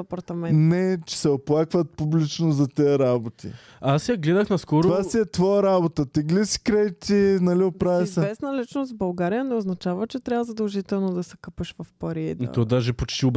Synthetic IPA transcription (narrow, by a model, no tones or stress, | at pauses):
ɐpɐɾt̪ɐmɛnnɛt͡ʃɛ̥sɛoplˠakvət̪̚publit͡ʃnozɐt̪ɛəɾabot̪ḭ | asjɐɡlɛd̪əxnɐskɔɾɾvasiɛt̪vɔjəɾabot̪ət̪ɛɡlisi̥kɾɛjt̪ʲinɐliʊpɾavɛzsɛvɛsnəlit͡ʃnosvbɐlˠɡaɾijənɛʊznɐt͡ʃavət͡ʃɛt̪ɾʲavəzɐd̪ɐlˠʒit̪ɛlˠnod̪ɐsɛ̥kɐpəʃvɐfpɐɾid̪̰t̪ɔd̪aʒɛpot͡ʃt̪ib